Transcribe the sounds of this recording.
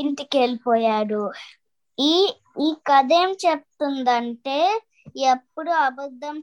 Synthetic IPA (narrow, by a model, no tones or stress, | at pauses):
iɳʈike̞ːlipɔːjaːɽu | iːkɐd̪eːmt͡ʃep̚t̪und̪ɐɳʈe̞ː | epːuɽuɐbɐd̪ːɐm